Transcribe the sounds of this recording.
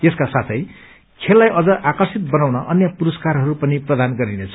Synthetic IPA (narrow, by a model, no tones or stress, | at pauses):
eskasat̪ʰʌj | kʰelːajʔʌd͡zʌʔakʌrsit̪̚bʌnawnʌʔʌnjʌpuɾʌskarɦʌɾupʌniprʌd̪anɡʌɾinet͡sʰʌ